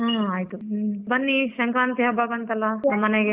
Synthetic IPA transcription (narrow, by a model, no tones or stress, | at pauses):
ɦãaːjt̪ubɐnːiʃɐŋkɾaːnt̪iɦɐbabɐnt̪ɐlaɐmɐnɐɡe